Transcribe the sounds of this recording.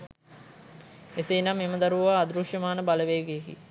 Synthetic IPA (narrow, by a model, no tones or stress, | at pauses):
eseːnamːeməd̪aɾuʋaːd̪ɾuʃjəmaːnəbaləʋeːɡeːkḭ